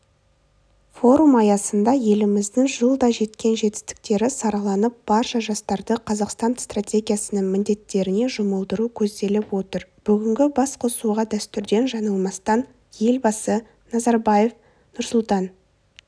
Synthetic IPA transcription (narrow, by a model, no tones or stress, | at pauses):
fo̞ɾumɑjɑsənd̪ɑje̞lɪmɪzd̪ɪŋʒəlˠd̪ɑʒe̞t̪kʲe̞nʒe̞t̪ɪ̥st̪ɪ̥k̚t̪e̞ɾɪsɑɾɑlˠɑnəp̚b̥ɑɾʃɑʒɑst̪ɑɾd̪əqʰɑzɑqst̪ɑnst̪ratʲe̞ɡʲijasənəŋmɪnd̪e̞t̪ːe̞ɾɪne̞ʒʊməlˠd̪əɾukʲʰɵzd̪e̞lɪpwo̞t̪əɾb̥ʏɡʲɪŋɡʲɪbɑsqʰo̞suʁɑd̪æst̪ʏɾd̪e̞nʒɑnɑlˠmɑst̪ɑn | je̞lbɑsə | nɑzɑɾbɑje̞f | nʊɾsʊlˠt̪ɑn